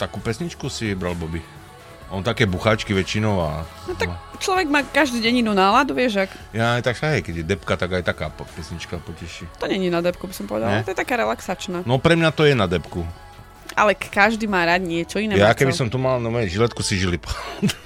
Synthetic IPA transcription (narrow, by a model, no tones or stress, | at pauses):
t̪akuːpɛsɲit͡ʃkusibɾalbɔbi | ɔnt̪akɛːbuxaːt͡ʃkiʋɛt͡ʃinɔʊa̰nɔt̪at͡ʃlɔʋɛɡmaːkaʒd̪iːɟɛɲinunaːlad̪uʋɪɛʒak | jajt̪akʃaɦɛjkɛɟjɛd̪ɛpkat̪aɡajt̪akaːpɛsɲit͡ʃkapɔcɛʃit̪ɔɲɛɲinad̪ɛp̚kubisɔmpɔʋɛd̪aɛt̪ɔjɛt̪akaːɾɛlaksat͡ʃnaːnɔpɾɛmɲat̪ɔjɛnad̪ɛpku | a̰lɛkkaʒd̪iːmaːɾad̪ɲɪɛt͡ʃɔinɛːjakɛbisɔmt̪umalnamɛʒilɛt̪kusiʒilipat̪